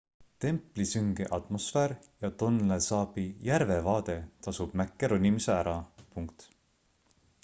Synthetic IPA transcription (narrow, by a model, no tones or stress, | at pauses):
t̪e̞mpːˑlisyŋɡ̥ḛʔɑt̪mo̞sfeːɾ | jɑt̪o̞nlesɑːpijæɾvevɑːd̪̥e̞t̪ɑsub̥mækːeɾonʲimiseæɾɑpuŋkt̪